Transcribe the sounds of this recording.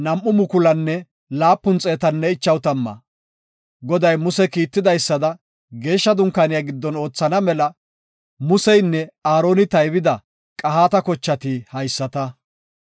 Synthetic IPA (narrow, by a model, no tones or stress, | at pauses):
nɐmʔːʊmʊkʊlɐnːɛ | laːpːʊnt͡sʼeːt̪ɐnːɛɪt͡ʃːɐwt̪ɐmːɐ̰ | ɡɔd̪ɐjmʊsɛkiːt̪ːɪd̪ɐjsːɐd̪ɐ | ɡe̞ːʃːɐd̪ʊŋkaːnɪjaɡɪd̪ːɔno̞ːt͡sːɐnɐmɛlɐ | mʊsɛjnːɛaːɾo̞ːnɪt̪ɐjbɪd̪ɐ | kʼɐɦaːt̪ɐkɔt͡ʃːɐt̪ɪhɐjsːɐt̪ɐ